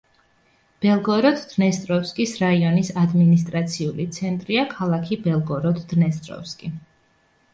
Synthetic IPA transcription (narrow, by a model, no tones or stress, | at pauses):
b̥ɛlˠɡɔɾɔd̪d̪̥nɛst̪ʼɾɔfskʼisɾaiɔnisad̪minist̪ʼɾat̪sʰiulit̪sʰɛnt̪ʼɾiakʰalˠakʰibɛlˠɡɔɾɔd̪d̪nɛst̪ʼɾɔ̰fskʼi